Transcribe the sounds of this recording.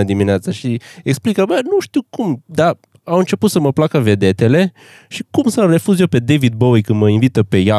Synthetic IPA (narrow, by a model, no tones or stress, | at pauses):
əd̪imineat̪səʃieksplikəbənuʃt̪iwkumd̪a | awɨnt͡ʃe̞put̪səməplakəve̞d̪e̞t̪e̞le̞ | ʃikumsəre̞fuzjepe̞d̪evid̪̚bowikɨnd̪məinvit̪əpe̞ja